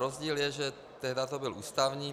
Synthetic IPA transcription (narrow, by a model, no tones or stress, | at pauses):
ɾozɟiːljɛʒɛ | t̪ɛɦdat̪obɪlʔuːst̪avɲiː